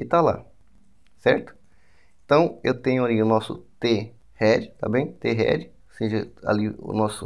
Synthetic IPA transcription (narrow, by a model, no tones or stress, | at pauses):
ɪt̪ala̰ | sɛɾt̪ʊ̥ | ẽt̪ɐ̃w̃ewt̪ẽɲʊaliʊnɔsʊ̰t̪e | hɛd͡ʒɪt̪a̰bẽj̃t̪eɦɛ̰d͡ʒɪ | sĩʒɪa̰liʊ̰nɔsʊ